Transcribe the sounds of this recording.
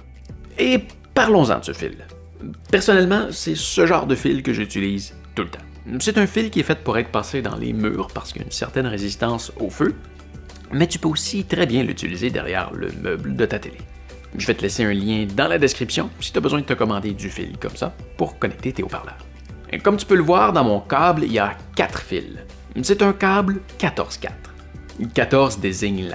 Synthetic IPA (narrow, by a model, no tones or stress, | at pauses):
e | paʁlɔ̃zɑ̰̃səfḭl | pɛʁsɔnɛlmɑ̃sɛsəʒɑ̰̃ːʁd̪əfilkəʒyt̪iliːz | t̪ulət̪ɑ̥̃ | sɛt̪ɛ̃filkʲiɛfɛt̪̚puʁɛjt̪χəpaːsed̪ɑ̰̃lʔḛmy̰ːʁpaʁ̥sə̥ky̰nsɛ̰ʁt̪ɛnʁezist̪ɑ̃sofø | mɛt̪y̥pøosit̪ʁɛbjɛ̃ly̰t̪ilized̪ɛ̰ʁjɛ̰ːʁlə̰mʔœbld̪ət̪at̪ele | ʒəvɛt̪əlɛseœ̃ljɛ̃d̪ɑ̃lad̪eskχipsjɔ̰̃si̥t̪yabəzwɛ̃d̪ət̪əkɔmɑ̃d̪ed̪yfḭlkɔ̰msa̰puʁkɔnɛk̚t̪et̪eo̰pa̰ʁlœːʁ | kɔmt̪y̥pøləvwaːʁd̪ɑ̃mɔ̃kablḭljakʲat̪χfḭl | set̪œ̃kablkʲat̪ɔ̰ʁz̥kʲa̰t̪χ | kat̪ɔʁzd̪ezɪɲla